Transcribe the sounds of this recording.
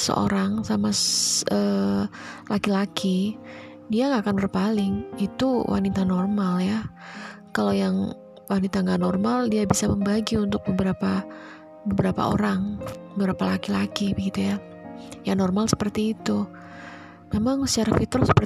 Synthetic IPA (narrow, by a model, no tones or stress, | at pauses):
sə̰ʔo̰ɾaŋsamasəː | lakilakʰi | diaŋakanbərpalɪŋit̪uwʔa̰nit̪anɔrmalja | kalawjaŋ | wanit̪aŋɡaʔnɔrmaldiabisaməmbaɡiunt̪ʊk̚bəbəɾapa | bəbəɾapa̰o̰ɾaŋbəbɾapalakilakibəɡit̪uja | janɔrmalsə̥pərt̪iːt̪u | memaŋsə̥t͡ʃaɾafit̪ɾɔsə̥pər